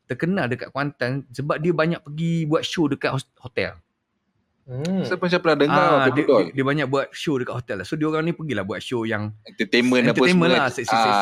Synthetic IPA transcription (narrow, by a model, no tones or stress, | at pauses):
t̪ərkənaldəka̰ʔ̚kwant̪ansəbap̚diəbaɲaʔ̚pəɡibuat̪̚ʃodəkaʔ̪̚hhot̪ɛ̰l | sapʊns̬apəladəaad̪odiəbaɲak̚buat̪̚ʃodəkaʔ̪̚hot̪ɛlːahsodioɾaŋnipəɡilahbuat̪̚ʃojaŋɛt̪ət̪emə̃naəemə̃nlasəsə